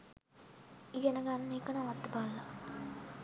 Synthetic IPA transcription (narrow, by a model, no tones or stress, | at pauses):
iɡɛnəɡanːmeːkənaʋat̪ːəbalːa